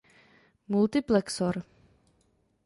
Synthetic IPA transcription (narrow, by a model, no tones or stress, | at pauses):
mult̪ɪplɛksɔɾ